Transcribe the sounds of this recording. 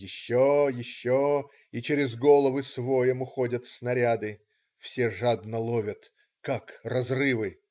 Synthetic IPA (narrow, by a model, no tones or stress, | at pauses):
jɪɕːojɪɕːo | it͡ɕɪɾʲɪzɡo̞lˠəvɨsvojəmʊxodʲət̪snɐɾʲad̪ɨ | fsʲeʐad̪nəlˠovʲət̪ | kakrɐzrɨvɨ